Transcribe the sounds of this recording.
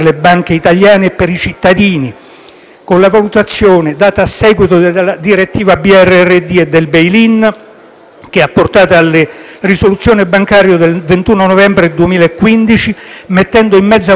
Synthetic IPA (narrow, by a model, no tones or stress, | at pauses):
lebaŋk̟eit̪aljaːneːpːeɾit͡ʃit̪ːad̪iːni | konlavalut̪at̪sːjoːned̪aːt̪aːsːɛːɡwit̪olad̪iɾet̪ːiːvabiɛrːeɛrːed̪ied̪ːelbejlin | k̟eapːort̪aːt̪aalːerisolut̪sːjoːnebaŋkaːɾjod̪elvent̪uːnonovɛmbɾed̪uemiːlaekːwind̪it͡ʃimet̪ːɛnd̪oimːɛd̪zːa